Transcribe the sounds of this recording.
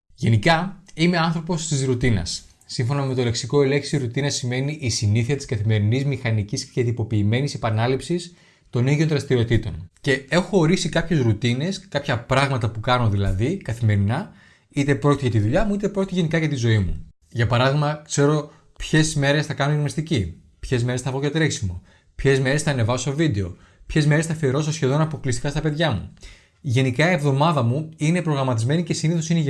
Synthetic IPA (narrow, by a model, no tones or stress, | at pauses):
ʝe̞nikɐime̞ɐnθɾo̞po̞st̪izɾut̪inɐ̰sː | iɱfo̞nɐme̞t̪o̞le̞ksiko̞ele̞ksiɾut̪inɐsime̞niʔːsiniθiɐt̪iskɐθime̞ɾinizmixɐniciscet̪ipo̞piːme̞nisepɐnɐlipsis | t̪o̞niðio̞nðɾɐst̪iɾio̞t̪it̪o̞̰nce̞e̞xo̞ːɾisikɐpçe̞zɾut̪ine̞skɐpçɐpɾɐɣmɐt̪ɐpukɐno̞ðilɐðikɐθime̞ɾinɐ | it̪e̞pɾo̞cit̪eʝɐt̪iðuʎɐmuit̪e̞pɾo̞cʲit̪eʝenikɐʝɐt̪izo̞imṵ | ʝɐpɐɾɐðiɣmɐkse̞ɾo̞ | pçe̞zme̞ɾe̞sθɐkɐnoimɐst̪ici | pçe̞zme̞ɾesθɐvɣot̪ɾeksimo | pçe̞zme̞ɾesθɐne̞vɐsovid̪e̞o̞ | pçe̞zme̞ɾesθɐfieɾo̞s̬osçe̞ðo̞nɐpo̞klist̪ikɐst̪ɐpe̞ðʝɐmṵ | ʝe̞nikɐievðo̞mɐðɐmuine̞pɾo̞ɣɾɐmɐt̪izme̞nice̞siniθo̞sineʝ